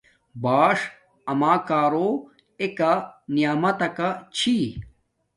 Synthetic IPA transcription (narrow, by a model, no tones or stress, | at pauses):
baːʂ | ɐmaːkaːɾo | ekanijaːmɐt̪ɐkat͡ɕʰi